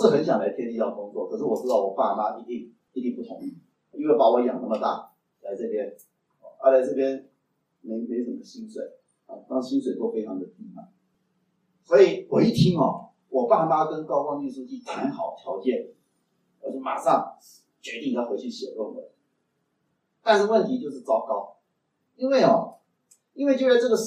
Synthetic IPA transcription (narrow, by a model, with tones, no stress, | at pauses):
ʂɻ̩˥˩xə˧˥nɕjɑ˨˩ŋla˧˥ɪt̪ʰjɛ˥nt̪i˥˧t̪jɑ˥˩kʊ˥ŋt͡swɔ˥˩kʰɤ˨˩ʂ̬ɻ̩˥˩wɔ˨˩ʈ͡ʂɻ̩˥t̪ɑ˥˩ʊwɔ˨˩pa˥˩ma˥i˥t̪i˥˧ŋ | i˥˧t̪i˥˧ŋpu˥˩ʊ̰˧˥ŋ˨˩ | i˥ŋwe˥˩ɪpa˨˩wɔ˧˥˨jɑ̰˨˩ŋnɤ˥˩mə˨t̪a̰˥˩ | la˧˥ɪt͡sɤ˥˩pjɛ˥n | ɔ˧˩ə˞˥˩la˨˧˥ɪt͡sɤ˥˩pjɛ˥n | me˧˥ɪme˧˥ʂə˨˩mə˦ɕi˥nswe˨˩˦ɪ | a̰˨˩t̪ɑ˥ŋ˩ɕi˥nswe˨˩ɪt̪wɔ˥˩fe˥ɪʈ͡ʂʰɑ˧˥ŋd̪ə˨t̪i˥a̰˨˩ | swɔ˧˥i˨˩wɔ˨˩i˥˩t̪ʰi˥ŋɔ˨ | wɔ˨˩pa˥˩˨na˥˧˩kə˥nkɑ˥ʊkɑ˥˧ŋi˥˩ʂu˥t͡ɕi˥˩t̪ʰa˧˥nxɑ˨˩˦ʊt̪ʰjɑ˧˥ʊt͡ɕjɛ˥˩n | ə˞˧˥t͡ɕʰɛ˨˧˥ma̰˨˩ʂɑ˥˩ŋ | t͡ɕɥɛ˧˥t̪i˥˩ŋ˨˧jxwe˧˥ɪi˥˩ɕɛ̰˨˩lwə˥˩ŋwə̰˨˩ | t̪a˥˧nʂ̩˥˧wə˥˩nt̪ʰi˧˥t͡ɕjo˥˧ʊʂɻ̩˥˩t͡sɑ˥ʊkɑ˥˩ʊ | i˥nwe˥˩ɪɔ˨˩ | i˥nwe˥˧t͡ɕjo˥˧ʊ˥sʈ͡ʂɤ˥˩ɡə˩ʂ